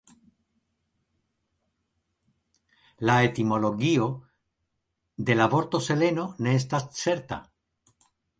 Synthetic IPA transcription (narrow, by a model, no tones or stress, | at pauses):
lae̞t̪imo̞lo̞ɡio̞ | d̪e̞lavo̞ɾt̪o̞se̞le̞no̞ne̞es̬t̪ast͡se̞ɾt̪a̰